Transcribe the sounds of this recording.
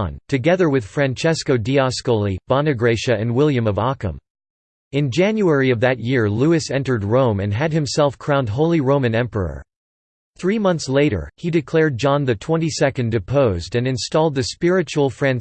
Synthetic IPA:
ntʰɨɡɛðə˞wɨð̥fɹæ̃nt͡ʃʰɛskoʊdiɑskolˠib̥ɑ̃nɨɡɹeɪʃɨɨ̃nwɪlˠjɨ̃mʌvɑkə̰̃m | ɨ̃nd͡ʒæ̃njuɛɹiʌvðɨt̚jɪɹluɨsɛ̃ntə˞d̚ɹõʊ̃mɨ̰̃nɨd̚hɨ̃msɛlˠfkʰɹ̥ãʊ̃nd̚ɦoʊlˠiɹõʊ̃mɨ̃nɛ̃mpə̰˞ə̰˞ | θɹimʌ̃nθsleɪɾə̰˞idɨkʰl̥ɛɹd̚d͡ʒɑ̃nðɨtʰw̥ɛ̃nisɛkɨ̃ndɨpʰoʊzdɨ̃nɨ̃nstɔlˠd̪̚ðɨspɪɹɨt͡ʃul̩ˠfɹæ̃n

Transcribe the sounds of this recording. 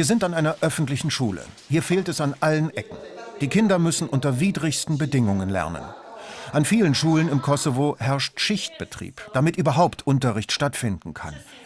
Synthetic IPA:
viːɐzɪntanʔaɪnɐʔœfn̩tlɪçn̩ʃuːlə̰hiːɐfeːltɛsanʔalənʔɛkŋ̩d̥iːkʰɪndɐmʏsn̩ʔʊntɐviːdʁɪçstn̩bədɪŋʊŋənlɛ̰ɐnə̰nʔanfiːlənʃuːlənɪmkʰɔsovoɦɛɐʃtʃɪçt̚b̥ətʁ̥ḭːpd̥amɪtʔyːbɐɦaʊptʰʔʊntɐʁɪçtʃtatfɪndn̩kʰa̰n

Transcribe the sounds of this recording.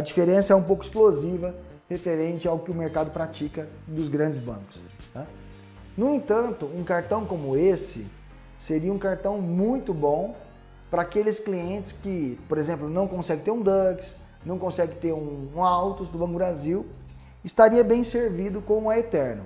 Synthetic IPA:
ɐd͡ʒifeɾẽsɐɛũpowkʊɪsplozivɐ | hefeɾẽt͡ʃɪawkɪʊmeɾkad̪ʊpɾat͡ʃikɐ | d̪ʊzɡɾɐ̃nd͡ʒɪzbɐ̰̃kʊ̥s | na | nʊẽt̪ɐ̃nt̪ʊũkaɾt̪ɐ̃w̃kõmʊesɪ̰ | seɾiɐũkaɾt̪ɐ̃w̃mũj̃t̪ʊbõw̃ | pɾɐaːkelɪskliẽnt͡ʃɪ̥skɪpoɾezẽmplʊnɐ̃w̃kõsɛɡɪ̃t̪eɾũd̪ɐkɪ̥s | nɐ̃w̃kõsɛɡɪ̃t̪eɾũːawt̪ʊsd̪ʊbɐ̃kʊbɾaziw | ɪst̪aɾiɐbẽj̃seɾvid̪ʊkõmʊɐet̪ɛɾnɐ̰

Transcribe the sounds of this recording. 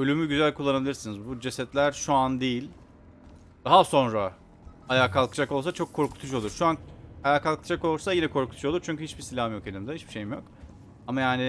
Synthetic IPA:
ø̞lʲymyɟyzælʲkʰulˠːanabilʲiɾsinizbud͡ʒe̞sɛt̪lʲæɾʃuand̪ejilʲ | d̪̥aɦaso̞nɾa | ajaːkʰalˠkɯd͡ʒako̞lˠsat͡ʃʰo̞kʰːo̞ɾkʰu̥t̪ʰuʃo̞lˠuɾʃuanajaːkalˠkʰɯd͡ʒako̞lˠsajinɛkʰo̞ɾkʰut̪ʰu̥ʃuo̞lˠuɾt͡ʃʰyɲcyhit͡ʃbisilʲamjo̞kelʲimd̪ɛhit͡ʃbi̥ʃe̞jimjo̞k | amajaːnɪ

